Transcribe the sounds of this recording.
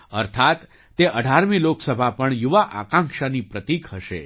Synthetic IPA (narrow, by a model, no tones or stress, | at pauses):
əɾt̪ʰat̪ː | eʔəɖʱaɾmiloksəbʱapəɳjuʋaʔa̰kãŋkʃanipɾət̪ikɦəʃḛ